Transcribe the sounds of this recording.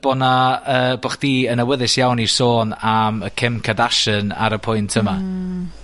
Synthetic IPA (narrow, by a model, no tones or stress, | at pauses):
b̥ɔnaəːbaχd̥iːənəwəðɪsjawnirsoːnaməkʰɪmkʰadaʃəna̰ɾəpʰʊjntʰəma